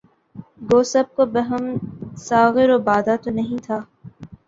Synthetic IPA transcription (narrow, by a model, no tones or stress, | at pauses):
ɡoːsɐb̚kobɐɦəmsaːɣɪɾoːbaːd̪at̪onɐɦĩt̪ʰaː